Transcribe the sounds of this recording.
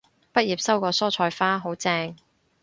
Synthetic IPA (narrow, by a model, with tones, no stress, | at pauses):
pɐ˥jiː˨˩p̚sɐ˥wkɔː˧sɔː˥t͡ʃʰɔː˧jfaː˥ɦo˨˥wt͡sɛː˧ŋ